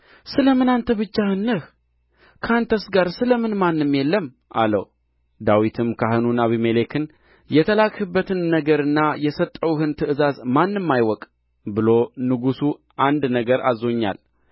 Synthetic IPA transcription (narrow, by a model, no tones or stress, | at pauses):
sɨləmɨnant̪ʰəβɨt͡ʃːahɨnːəh | kʰant̪ʰəsɡaɾsɨləmɨnmanːɨmjelːəm | ʔa̰lə̰w | d̪awit̪ʰɨmkʰaɦɨnunaβimelekʰɨn | jɛt̪ʰəlakhɨbːət̪ʰɨnːəɡəɾɨnːajɛsət̪ʼːəwhɨnt̪ʰɨʔɨzazmanːɨmːajwɔkʼ | bɨlo̞nɨɡusu | ʔand̪nəɡəɾa̰zo̞ɲːa̰l